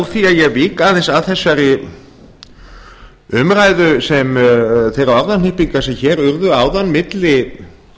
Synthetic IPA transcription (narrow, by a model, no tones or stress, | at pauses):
wθiaðjɛɣviːkaːðɪnsaðθɛsːaɾi | ʏmraːjðʏsɛmθejɾaɔɾðanlɪhpiŋkasɛmçɛɾʏɾðʏaːwðanmɪt̪lɪ